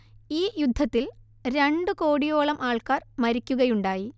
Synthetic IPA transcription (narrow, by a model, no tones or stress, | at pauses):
iːjud̪ʱːɐt̪ːil | ɾe̞ɳɖɨko̞ːɽijo̞ːɭɐmʔaːɭkaːrmɐɾikʲːuɣɐjuɳɖaːji